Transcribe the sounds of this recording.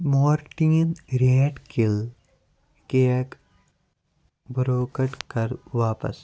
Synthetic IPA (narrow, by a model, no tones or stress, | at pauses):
moːɾʈiːnɾeːʈkɪl | kek | bɾoːkəʈkɐɾʋaːpə̰s